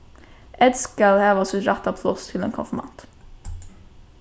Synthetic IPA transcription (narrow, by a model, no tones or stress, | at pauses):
ʔɛd̪skɑlhɛːʋasɪt̪ɾɑt̪ːapʰlɔst̪ʰɪlḛːnkʰɔ̰nfəma̰nt̪